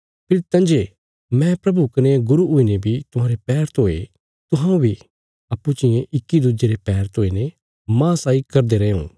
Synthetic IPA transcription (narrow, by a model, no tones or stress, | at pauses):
pʰɪɾt̪ɐ̃nd͡ʒe | mɛ̃pɾɐbukɐneẽɡʊɾuʊinebʱit̪ʊɦãːɾepɛːɾət̪ɦoːḛ | t̪ʊɦãːũbʱi | ɐpːut͡ʃɪjẽʔɪkːid̪ud͡ʒeɾepɛːɾt̪ɦoːine | mãːsaːikɐɾd̪eɾɐṵ̃ː